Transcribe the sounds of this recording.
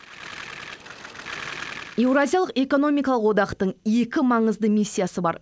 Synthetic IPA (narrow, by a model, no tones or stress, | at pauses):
je̞wɾazʲijalˠəqe̞ko̞no̞mijkɑlˠəqwod̪ɑqt̪əɴje̞kʲɪmɑɴəzd̪əmisʲːijasəbɑ̰ɾ